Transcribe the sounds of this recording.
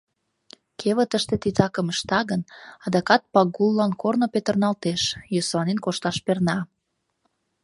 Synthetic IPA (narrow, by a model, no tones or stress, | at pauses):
kʰeβə̆t̪əʃt̪et̪it̪ɑkəməʃt̪ɑɣənɑd̪ɑkɑt̪̚pɑɡulːɑnkornopet̪ərnɑlt̪eʃjøslɑnenkoʃt̪ɑʃpernɑ